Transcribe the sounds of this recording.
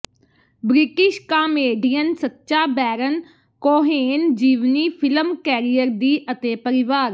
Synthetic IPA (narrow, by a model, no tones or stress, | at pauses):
bɾɪʈɪʃkaːmeːɖiːənsət̪ːʃaːbɛːɾən | koːɦeːnd͡ʒiːʋniːpʰɪləmkɛːɾijəɾd̪iːʔət̪eːpəɾɪʋaːɾ